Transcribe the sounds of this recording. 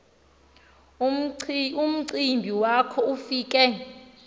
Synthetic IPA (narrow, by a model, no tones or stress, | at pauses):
um̩ǀimbʱiwakʰɔufiːkʼɛ